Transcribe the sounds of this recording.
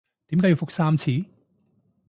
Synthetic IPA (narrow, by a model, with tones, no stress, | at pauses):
t̪i˨˦mkaː˨˥jwfo˨k̚saː˥mt͡sʰiː˨˥